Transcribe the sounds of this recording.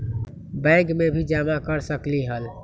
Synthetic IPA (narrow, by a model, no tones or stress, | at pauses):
bɛ̃ɡmebʱid͡ʒamakəɾsəkliɦəl